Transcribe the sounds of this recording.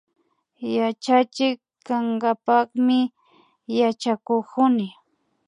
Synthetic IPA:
jat͡ʃat͡ʃɪkː | aŋɡapɑχmɪ | jat͡ʃakokʊnɪ

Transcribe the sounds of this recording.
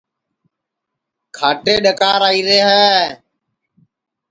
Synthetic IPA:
kʰaːʈeːɗəkaːɾaːiːɾeːɦɛː

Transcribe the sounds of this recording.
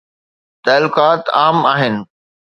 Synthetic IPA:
t̪ɛːlʊkaːt̪aːmaːɦɪnɪ̆

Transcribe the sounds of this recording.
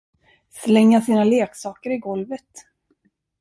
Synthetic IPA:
slɛŋːasiːnaleːksɑːkəɾɪɡɔlvət̪

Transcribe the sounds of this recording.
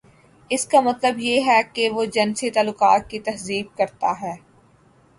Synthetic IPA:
ɪskamɐt̪ləbjeɦɛkeʋod͡ʒɐnset̪aːluːqaːt̪̚kit̪ɐɦziːb̚kɐɾt̪aɦɛː

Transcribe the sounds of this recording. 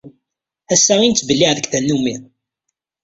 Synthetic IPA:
æsːæʁint͡sːbəlːiʕðəkθænːumi

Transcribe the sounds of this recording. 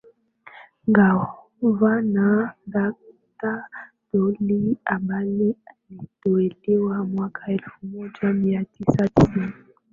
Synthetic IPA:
ŋɡa | vanaŋɡa | ta | d̥oliambalianitoelewamwakʰaɛlfumɔd͡ʒamiatisati

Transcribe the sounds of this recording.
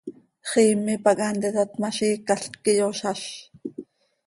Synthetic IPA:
χiːmɪpɑkʼɑnt̪ɛt̪at̪mɑʃiːkaɬkɪjoʃɑʃ

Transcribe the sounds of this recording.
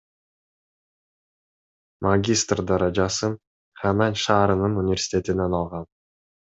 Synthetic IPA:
maɡʲist̪rd̪ɑɾɑd͡ʒɑsɯ | χananʲʃɑːɾɯnɯnunʲɪvʲerʲsʲɪ̥tʲe̞t̪inenɑlˠʁɑn

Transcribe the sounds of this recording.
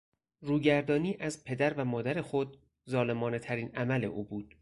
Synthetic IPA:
ɾuːɟæɾd̪ɒːniːʔæzpʰe̞d̪æɾvæmɒːd̪æɾexo̞d̪̚ | zɒːle̞mɒːne̞t̪ʰæɾiːnæmæle̞̰ʔuːbuːd̪̥

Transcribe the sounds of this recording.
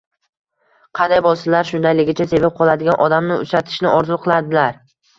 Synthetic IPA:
qʰɑnd̪ajbɒlˠsɪlaɾʃʊnd̪ajlɪɡʲɪt͡ʃʰase̞vap̚qʰɒlˠad̪ɪɡʲanʔɒd̪amnɪʊ̰t͡ʃɾat̪ʰɪ̥ʃnɪʔɒɾzuqʰɨlˠad̪ɪlaɾ

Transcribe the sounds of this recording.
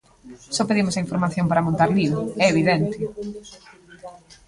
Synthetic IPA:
sɔpeðimosaiɱfoɾmaθjõmpaɾamõnt̪aɾliβoɛeβiðɛnt̪ɪ

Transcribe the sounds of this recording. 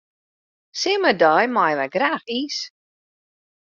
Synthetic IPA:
sɪmədɔjmajʋɛɡraːxis

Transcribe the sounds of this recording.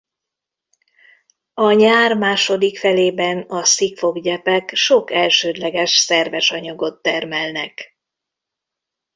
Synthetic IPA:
ɒɲaːrmaːʃo̞d̪ikfɛleːbɛnɒsikfo̞ɡɟɛpɛkʃo̞kɛlʃøːd̪lɛɡɛʃsɛrvɛʃɒɲɒɡo̞t̪ːɛrmɛlnɛk

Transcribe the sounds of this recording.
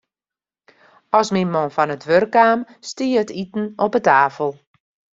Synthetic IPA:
ɔsminmonfɔnətʋørkaːm | stiːəətitn̩ɔpətaːfəlˠ

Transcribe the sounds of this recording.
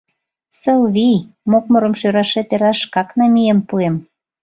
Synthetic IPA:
səlβijmok̚mŏɾə̆mʃøɾɑʃet̪eɾɑʃkɑknɑmijempuem

